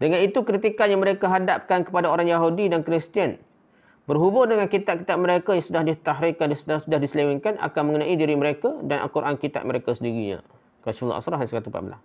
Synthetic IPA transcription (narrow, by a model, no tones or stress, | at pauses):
dəŋanit̪ukɾit̪ikanjaŋməɾekaɦadap̚kankə̥padaoɾaŋjaɦudidankɾist̪iən | bərɦubʊndəŋankit̪aʔ̚kit̪aʔ̚məɾekajaŋsudahdit̪aɦɾɪkːandissudahdisəlewiŋkanʔa̰kanməŋənãʔidiɾiməɾekadanʔa̰lkuɾʔankit̪a̰ʔ̪̚məɾekasəndiɾiɲa̰ | kasfl̰ʔa̰sɾaɦansəkat̪upa̰bəla̰h